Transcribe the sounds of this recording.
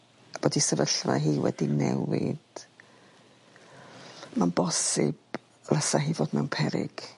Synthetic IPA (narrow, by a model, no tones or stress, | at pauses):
b̥oːdisəvəɬvaɦiːwɛ̰dinɛwɪd̥ | manbɔsɪb̥ | rasaɦiːvoːdmɛwnpʰɛɾɪ̰ɡ̥